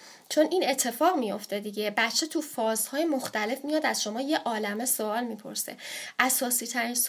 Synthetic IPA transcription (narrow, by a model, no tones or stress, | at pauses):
t͡ʃʰo̞nʔine̞t̪ʰːe̞fɒːɣmijo̞ft̪e̞d̪iɟe̞bæt̪ːt͡ʃʰːe̞t̪ʰufɒːzhɒːjemoxt̪æle̞fmijɒd̪æzʃo̞mɒːje̞ʔɒːlæme̞soɒːlmiːpʰo̞̰ɾsḛʔæsɒːsiːt̪ʰæɾins